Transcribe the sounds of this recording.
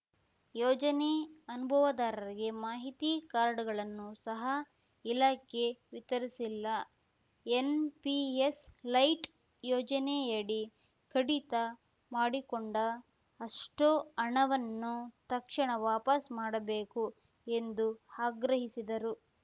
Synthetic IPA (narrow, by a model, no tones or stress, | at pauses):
jɔːd͡ʒɐneɐnubʱɐʋɐd̪aːɾɐɾiɡe̞maːɦit̪ikaːɾɳɐɡɐɭɐnːusɐɦɐ | ilaːkʰe̞ʋit̪ɐɾisilːɐ | enpieslɐjʈ | jɔːd͡ʒɐneɐɽi | kɐɽit̪ɐ | maːɽikoɳɖɐː | ʂʈoɐɳɐʋɐnːut̪ɐkʂɐɳɐʋaːpɐsmaːɽɐbe̞ːku | e̞nd̪uaːɡɾɐɦisid̪ɐɾu